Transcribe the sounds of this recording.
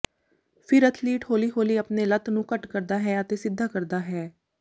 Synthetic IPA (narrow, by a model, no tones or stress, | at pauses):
pʰɪɾət̪ʰliːʈhoːliːɦoːliːəpneːlət̪nũːkəʈkəɾd̪aːɦɛːət̪eːsɪd̪ʱːaːkəɾd̪aːɦɛː